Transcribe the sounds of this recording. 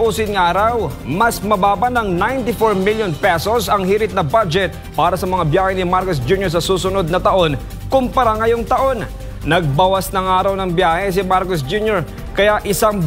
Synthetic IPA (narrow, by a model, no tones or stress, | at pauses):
ʔuːsɪnŋʔaːɾɐw | mɐsmɐbaːbɐnɐŋnajnt̪ɪfoɹmiljonpɛsosɐŋhiːɾɪt̪̚nɐbad͡ʒɛt̪̚ | paːɾɐsɐmɐŋabjaːhɛnɪmaɾkos̬d͡ʒunjoɹs̬ɐsuːsʊno̞d̪̚nɐt̪ɐʔo̞n | kʊmpɐɾaŋɐjoŋt̪ɐʔo̞n | nɐɡ̚bawasnɐŋʔaːɾɐwnɐŋbjaːhɛs̬ɪmaɾkos̬d͡ʒunjoɹ | kɐjaʔɪsaŋ